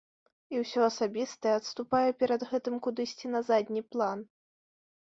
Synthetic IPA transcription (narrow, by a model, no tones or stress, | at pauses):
iwsʲɔɐsabʲist̪ɐjɛɐt̪st̪upajɛpʲɛɾɐd̪ɣɛt̪ɨmkud̪ɨsʲt͡sʲinɐzad̪ʲnʲiplˠan